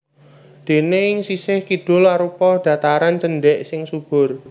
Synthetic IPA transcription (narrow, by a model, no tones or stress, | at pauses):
d̪̥e̤neɪŋsisɪhkid̥ʊ̤laɾupɔɖ̪̥ä̤t̪aɾant͡ʃənɖɛʔsɪŋsub̥ʊ̤r